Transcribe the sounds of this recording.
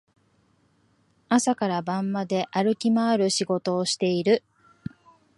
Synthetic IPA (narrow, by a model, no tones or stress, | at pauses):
asakaɾabãmːad̪e̞ʔaɾɯ̟kʲimaːɾɯ̟ɕiɡo̞t̪o̞ːɕi̥t̪e̞iɾɯ̟